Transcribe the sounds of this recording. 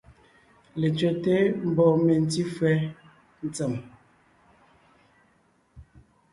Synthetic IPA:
le˨t͡ʃɛ˨te˦m̩˨bɔ˨me˨n˨ti˦fɛ˦ | n̩˨t͡sə˨m

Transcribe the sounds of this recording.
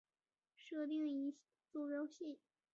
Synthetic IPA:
ʂɤ˥˧t̪̬i˥˩ŋi˧˥ | t͡su˥˩ɻo˥ʊɕi˥˩n

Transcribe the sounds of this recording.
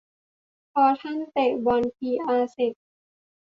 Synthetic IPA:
pʰɔː˧t̪ʰa˥˨nt̪e˨˩k̚bɔː˧npʰiː˧ʔaː˧se˨˩k̚

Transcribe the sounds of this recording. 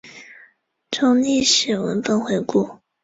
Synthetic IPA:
ʈ͡ʂʰo˥ŋni˥˩ʂɻ̩˨˩wə̰˧˥nfə˥˧nxwe˧˥ɪku˥˩

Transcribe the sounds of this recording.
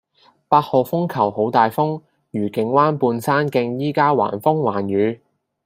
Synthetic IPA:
paː˧t̚ho˨fʊ˥ŋkʰɐ˨˩who˨˥wt̪aː˨jfʊ˥ŋ | jyː˨˩kɪ˨˥ŋwaː˥npuː˧nsaː˥nkɪ˧ŋjiː˥kaː˥wa̰ː˨˩nfʊ˥ŋwaː˨˩nɥyː˨˧

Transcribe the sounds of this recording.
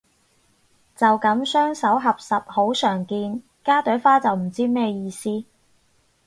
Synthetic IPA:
t͡sɐ˨wkɐ˨˥msœː˥ŋsɐ˨˥wɦɐ˨p̚sɐ˨p̚ho˨˥wsœː˨˩ŋkiː˧n | kaː˥t̪ɵ˨˥ɥfaː˥t͡sɐ˨wm̩˨˩t͡siː˥mɛː˥jiː˧siː˥

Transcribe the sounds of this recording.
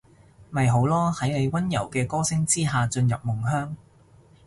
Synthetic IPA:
mɐ˨jɦo˨˥wlɔː˥hɐ˨˥jne˨˧jwɐ˥njɐ˨˩wkɛː˧kɔː˥sɪ˥ŋt͡siː˥ɦaː˨t͡ʃɵ˧njɐ˨p̚mʊ˨˩ŋɦœː˥ŋ

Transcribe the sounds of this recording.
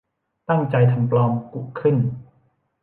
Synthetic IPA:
t̪a˥˩ŋt͡ɕa˧jt̪ʰa˧mplɔː˧mku˨˩ʔkʰːɯ˥˩n

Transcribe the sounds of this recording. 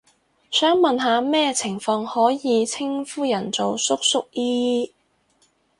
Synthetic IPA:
sœː˨˥ŋmɐ˨nɦaː˨˧mɛː˥t͡sʰɪ˨˩ŋfɔː˧ŋhɔː˨˥jiː˨˧t͡sʰɪ˥ŋfuː˥jɐ˨˩nt͡so˨wsʊ˥k̚sʊ˥k̚jiː˥

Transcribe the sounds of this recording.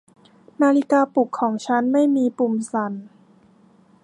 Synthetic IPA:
maː˧li˦˥kaː˧pu˨˩kʰːɔː˩˦ŋt͡ɕʰa˦˥nma˥˩jmiː˧pu˨˩msa˩˦n

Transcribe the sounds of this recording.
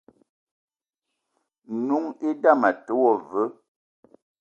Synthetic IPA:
nu˨˦ŋe˦da˦˨ma˨tə˨˦wɔ˨və˨˦

